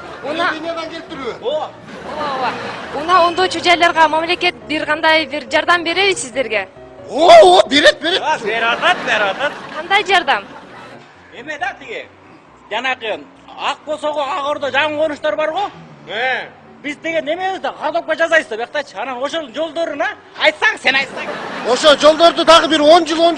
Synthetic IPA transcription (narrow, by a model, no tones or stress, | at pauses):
nɑinoɡ̪eɡep̚t̪ːiɾyo | o | unɑo̞nd̪o̞t͡ʃud͡ʒɑjlˠɑɾʁɑmɑmlʲe̞ke̞t̪̚biɾʁɑnd̪ɑjbiɾd͡ʒɑɾd̪ɑmbe̞ɾe̞βizsizd̪e̞ɾɡe̞ | oobeɾet̪̚beɾebeɾwɑt̪ɑt̪beɾɑt̪ɑt̪qʰɑnd̪ɑjd͡ʒɑɾd̪ɑm | emed̪t̪iɡi | d͡ʒɑnɑqɯ | ɑq̚bo̞lˠsoʁoɑʁo̞ɾd̪od͡ʒɑɴɯqʰonuʃt̪oɾbɑɾʁoe | bizd̪e̞ɡe̞ne̞me̞βizd̪ɑɑd̪op̚ːɑd͡ʒɑzɑjβɯsɑbeq̚t̪ɑjt͡ʃʰɑnɑno̞ʃolˠd͡ʒo̞lˠd̪o̞ɾunɑ | ɑjt̪sɑŋɴse̞nɑjt̪sɑŋo̞ʃolˠd͡ʒo̞lˠd̪o̞ɾd̪ud̪ɑʁɯbiɾo̞nd͡ʒɯlˠon